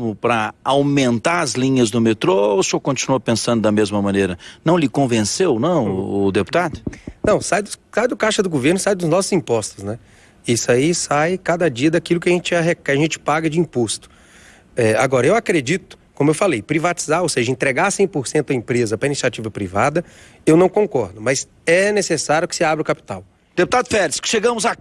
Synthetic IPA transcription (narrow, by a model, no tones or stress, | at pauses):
mʊpɾɐawmẽnt̪aɾɐzlĩɲɐzd̪ʊmet̪ɾoosɪowkõt͡ʃinuopẽsɐ̃nd̪ʊd̪ɐmezmɐmɐ̃neɾɐnɐ̃w̃lɪkõvẽsewnɐ̃w̃ːd̪epu̥t̪ad̪ʊnɐ̃w̃sajd̪ʊsajd̪ʊkaʃɐd̪ʊɡoveɾnʊsajd̪ʊznɔsʊzĩpɔst̪ʊsnɛ | isaisajkad̪ɐd͡ʒiɐd̪akilʊkɪɐʒẽnt͡ʃɪaɦekɐʒẽnt͡ʃɪ̥paɡɐd͡ʒɪĩpost̪ʊ̥ | ɛa̰ɡɔɾɐewakɾed͡ʒit̪ʊ̥kõmʊewfalejpɾivat͡ʃi̥zaɾowseʒɐẽt̪ɾeɡasẽj̃poɾsẽnt̪ʊɐĩpɾezɐpɾɐinisiat͡ʃivɐpɾivad̪ɐ | ewnɐ̃w̃kõkɔɾd̪ʊmɐz | ɛnesesaɾjʊkɪ̥sɪabɾɪʊkapi̥t̪aw | d̪epu̥t̪ad̪ʊfɛɾɪskɪ̥ʃeɡɐ̃mʊza